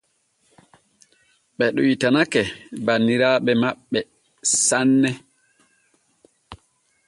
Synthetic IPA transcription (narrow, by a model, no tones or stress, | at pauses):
ɓɛɗɔitanakɛbanːiɾaːɓɛmaɓːɛ | sanːɛ